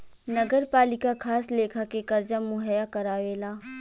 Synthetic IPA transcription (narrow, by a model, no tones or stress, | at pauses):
nɐɡəɾpaːlɪkakʰaːsleːkʰakekɐɾd͡ʒamʊɦɛjakɐɾaːʋeːlaː